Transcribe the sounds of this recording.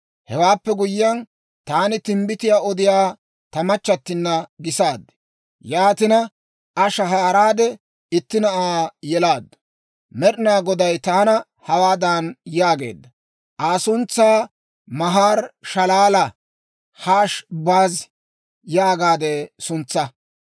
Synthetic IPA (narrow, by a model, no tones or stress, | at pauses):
hɛwaːpːɛɡʊjjɐn | t̪aːnɪt̪ɪmbɪt̪ɪjaːɔd̪ɪjaː | t̪ɐmɐt͡ʃːɐt̪ːɪnːɐɡɪsaːd̪ːɛ̥ | jaːt̪ɪnɐ | ʔɐʃɐɦaːɾaːd̪ɛ | ɪt̪ːɪnɐʔaːjɛlaːd̪ːɐ̥ | mɛɾɪnaːɡɔd̪ɐjt̪aːnɐ | hɐwaːd̪aːnjaːɡe̞̰ːd̪ːɐ | ʔaːsʊnt͡sːaː | mɐɦaːɾʃɐlaːlɐ | haːʃbaːz | jaːɡaːd̪ɛsʊnt͡sːɐ